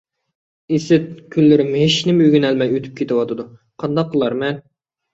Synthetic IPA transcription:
esɪt̪̚kʲʰylːɪɾɪmɦeʃnɪmøɡʲynɛlmɛjøt̪ʰy̥p̚kʲet̪ɪwɑt̪ʰɨd̪u | qʰɑnd̪ɑq̚ːəlˠɑɾmɛn

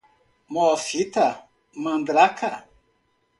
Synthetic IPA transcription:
mɔfita | mãndɾakʰa

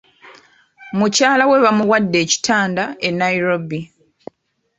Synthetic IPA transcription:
mucaːlawe̞βamuwadːe̞ːci̥tʰaːndae̞nːaiɾo̞bi

